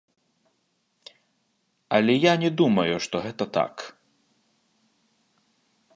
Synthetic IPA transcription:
ɐlʲɛjanʲɛd̪umɐjuʂt̪ɔɣɛt̪ɐt̪a̰k

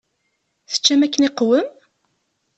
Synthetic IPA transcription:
θə̥t͡ʃːæmækːəniqwəm

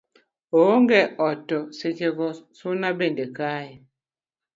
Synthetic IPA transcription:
ooŋɡɛɔtːɔset͡ʃeɡɔsunabendekai

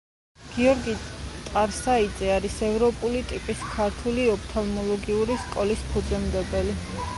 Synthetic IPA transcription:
ɡ̥iɔɾɡit̪ʼaɾsaid̪zɛaɾisɛvɾɔpʼulit̪ʼipʼiskʰaɾt̪ʰuliɔpʰt̪ʰalˠmɔlˠɔɡiuɾiskʼɔlispʰud̪zɛmd̪ɛbɛli

